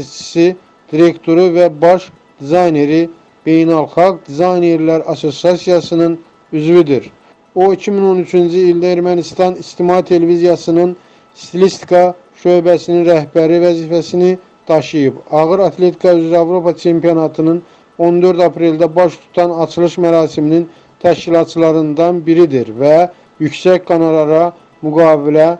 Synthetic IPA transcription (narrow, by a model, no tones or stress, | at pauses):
t͡ʃʰi̥si | d̪̥iɾe̞kt̪ʰo̞ɾuvæbɑʃ | d̪̥izɑjne̞ɾi | b̥e̞jnælˠxɑɡd̪izɑjne̞ɾlæɾɑso̞siɑsijɑsɯnɯn | yzvid̪iɾ | oicʰimino̞nyt͡ʃʰynd͡ʒiild̪æeɾmænist̪ɑnist̪imɑɦit̪ʰe̞levizijɑsɯnɯn | st̪ilist̪i̥kʰɑ | ʃø̞jbæsininɾæhbæɾivæziːfæsini | d̪̥ɑʃɯjɯbɑɣɯɾɑt̪ʰle̞t̪ʰi̥kʰɑyzɾæɑvɾo̞pɑt͡ʃʰe̞mpijonɑt̪ʰɯnɯn | o̞nd̪ø̞ɾd̪ɑpʰɾe̞ld̪æbɑʃt̪ʰu̥t̪ʰɑnɑt͡ʃʰɯlˠɯʃmæɾɑːsiminin | t̪ʰæʃcilˠɑt̪̚t͡ʃʰɯlˠɑɾɯnd̪ɑnbiɾid̪iɾvæ | jycsæcɡɑnɑlˠɑɾɑ | myɡɑːvilæ